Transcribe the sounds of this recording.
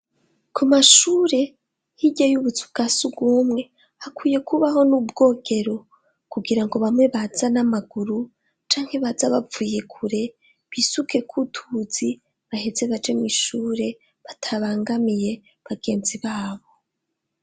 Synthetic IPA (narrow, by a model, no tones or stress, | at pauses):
kʰumaʃuɾe̞ | hiɟajuβut͡su̥kasubɡuːmŋe̞ | hakwuːje̞kʰuβaɦo̞nub̚ɡo̞ːɡe̞ɾo̞ | kuɡiɾaŋɡo̞βamŋe̞βaz̥anamaɡ̥uɾu | t͡ʃaːŋhe̞βazaβavuːje̞kʰuɾe̞ | βiːsuke̞kʰutʰuz̥i | βahe̞ze̞βad͡ʒemiʃuːɾe̞ | βatʰaβaːŋɡamije̞ | βaɡe̞ːnziβaːβo̞